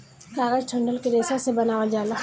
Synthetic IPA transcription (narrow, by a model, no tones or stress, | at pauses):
kaːɡəɾʈʰəɳɖəlkeɾeːsasebɐnaːwad͡ʒaːla